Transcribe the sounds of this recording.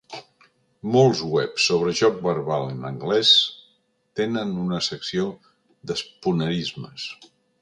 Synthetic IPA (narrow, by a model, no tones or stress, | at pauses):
molˠzwɛpsːoβ̞ɾəʒɔk̚bəɾβalənə̰ŋɡlɛs | t̪enənunəsəksio | d̪əspunəɾizməs